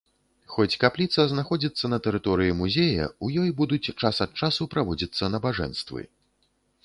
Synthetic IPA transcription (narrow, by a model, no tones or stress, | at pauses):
xɔt͡sʲkaplʲit̪sɐznaxɔd͡zʲit̪sːɐnɐt̪ɛɾɨt̪ɔɾɨjimuzʲejɐ̰ujɔjbud̪ut͡sʲt͡ʂasɐt̪̚t͡ʂasupɾavɔd͡zʲit̪sːɐnɐbaʐɛ̰nst̪vɨ̰